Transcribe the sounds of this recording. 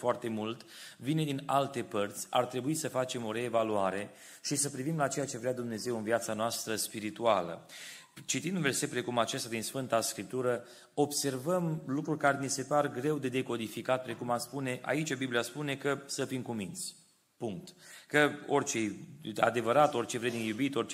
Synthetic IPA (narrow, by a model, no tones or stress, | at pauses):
foart̪e̞mult̪vine̞d̪inalt̪e̞pərt̪sʲa̰rt̪ɾe̞buisəfat͡ʃe̞mo̞ɾe̞ːvaluaɾe̞ | ʃisəpɾivimlat͡ʃe̞jat͡ʃe̞vɾead̪umne̞ze̞wɨnviat̪sanoast̪ɾəspiɾit̪ualə̰ | t͡ʃit̪ind̪unve̞rse̞t̪̚pɾe̞kumat͡ʃest̪ad̪insfɨnt̪askɾip̚t̪uɾə | o̞bse̞rvəmlukɾurʲkaɾenise̞parɡɾe̞wd̪e̞d̪e̞ko̞d̪ifikat̪̚pɾe̞kumaspune̞ʔa̰it͡ʃabiblijaspune̞kəsəfimkumint̪sʲ | puŋk̚t̪kəo̞rt͡ʃea̰d̪e̞vəɾat̪o̞rt͡ʃe̞vɾed̪nijubit̪o̞rt͡ʃ